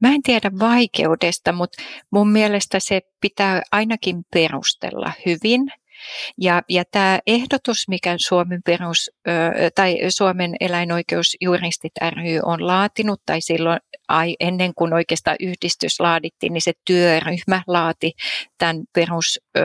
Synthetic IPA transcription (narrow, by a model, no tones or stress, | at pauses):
mæent̪iædæʋʋɑikḛudest̪ɑmut̪mummiælest̪æsepit̪æːʔɑinɑkimperṵst̪ḛlːɑ̰hyʋin | jɑjɑt̪æːʔehdot̪usmikæsuomemperust̪ɑisuomenḛlæinoikeusjurist̪it̪æryːʔonlɑːt̪inut̪t̪ɑisilːoʔɑiʔenːeŋkunoikeːst̪ɑ̰ʔyhdist̪yslɑːdit̪ːḭːniset̪yøryhmæhlɑːt̪it̪ænperus